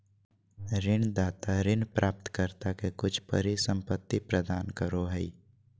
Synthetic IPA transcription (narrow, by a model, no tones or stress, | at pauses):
ɾɪnd̪aːt̪aɾɪnpɾʔaːp̚t̪kəɾt̪akekʊt͡ʃʰpə̰ɾisə̃mpət̪ːipɾəd̪aːnkəɾoɦɛi